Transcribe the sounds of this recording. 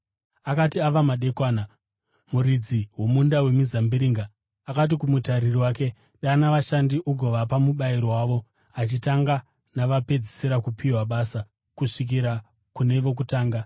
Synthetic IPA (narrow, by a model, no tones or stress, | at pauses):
akatiaʋamaɗe̞kwaːna | muɾid͡ziwo̞mundawe̞mizambiɾiːŋɡaː | kat̬ikumutaɾiriwaːke̞ | ɗanaʋaʃandiʔuɡʱoʋapamuɓaiɾowaːʋo̞ | at͡ʃitaŋɡa | naʋape̞d͡zi̥siɾakupʰiwaɓaːsa | kuʂik̬iɾa | kune̞ʋo̞k̬utaːŋɡa